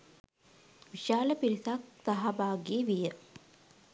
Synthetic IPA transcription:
ʋiʃaːləpiɾisak̚saɦabaːɡeːʋijə

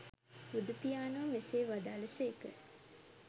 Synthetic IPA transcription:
ud̪upijaːnəʋɐmeseːʋad̪aːləseːkə̰

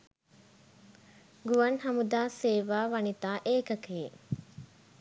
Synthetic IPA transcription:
ɡuʋɐnhɐmud̪aːseːʋaːʋɐnit̪aːʔeːkɐkeː

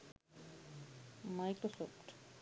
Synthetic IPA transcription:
majkɾosofʈ

